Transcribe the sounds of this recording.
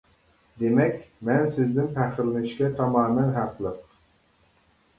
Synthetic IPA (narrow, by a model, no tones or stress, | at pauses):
d̪emɛkʲmɛnsɪzd̪ɪnpʰæχɪlɪnɪʃkʲɛt̪ʰɑmɑːmɛnɦæqlˠəq